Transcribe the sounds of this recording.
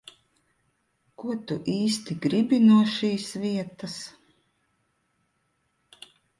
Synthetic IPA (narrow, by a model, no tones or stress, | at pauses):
kuɔt̪uʔiːst̪iɡɾibʲinuɔʃiːsviɛt̪as